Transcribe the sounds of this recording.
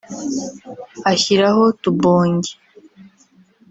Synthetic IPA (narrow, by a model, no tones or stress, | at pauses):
açiɾaho̞tuboːɲɟe